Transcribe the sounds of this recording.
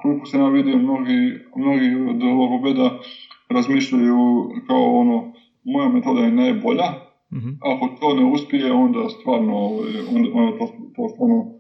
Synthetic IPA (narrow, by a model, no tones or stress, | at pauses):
kolikosejaːʋid̪iomnoɡimnoɡiod̪lokobed̪aɾazmiːʃʎajukaoono | mojamet̪o̞d̪aenejboʎa | ako̞t̪ʰoːneuspʲjijeo̞nd̪ast̪ʋaːɾnooʋajond̪eot̪ot̪oːst̪aɾno